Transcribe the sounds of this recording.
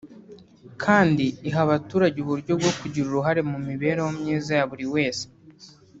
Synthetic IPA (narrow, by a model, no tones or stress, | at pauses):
kʰaːndiːɦaβatuːɾaɟeuβuɾɟo̞b̚ɡo̞kuɟiɾuɾuɦaɾe̞mumiβe̞ːɾawomɲiːzajaβuɾiwe̞ːse̥